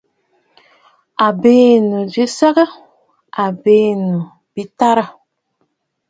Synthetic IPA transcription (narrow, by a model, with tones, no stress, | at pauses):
a˨beː˦nu˨vi˦sa˦ɡə˦ | a˨be˦˨nu˨ | bi˦ta˦ɾə˦˨